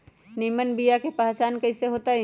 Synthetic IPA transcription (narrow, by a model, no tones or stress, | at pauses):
nimənbijakepəɦt͡ʃankəɪseɦot̪a